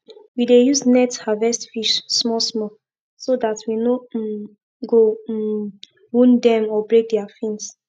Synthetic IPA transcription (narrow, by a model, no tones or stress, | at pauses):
widejuznɛthavɛstfiʃsmɔsmɔ | sodatʰwino | ɡo | wũndɛ̃mɔbɹek̚dɛafĩns